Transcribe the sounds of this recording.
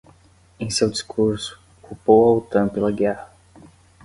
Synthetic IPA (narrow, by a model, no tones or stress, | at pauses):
ẽj̃sewd͡ʒiskʰuɾsu̥ | kupowawt̪ɐ̃pelɐɡɛhɐ